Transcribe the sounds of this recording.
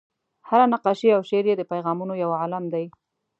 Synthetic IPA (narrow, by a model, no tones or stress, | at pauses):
haɾanaqɑʃiawʃeɾjed̪əpajɣɑmunojawʕalamd̪aj